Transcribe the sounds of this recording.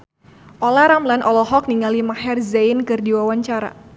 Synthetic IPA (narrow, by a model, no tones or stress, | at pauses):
ʔɔlaɾamlanʔɔlɔɦɔk̚niŋalimaɦɛrzankɨrdiwawaɲt͡ʃaɾa̰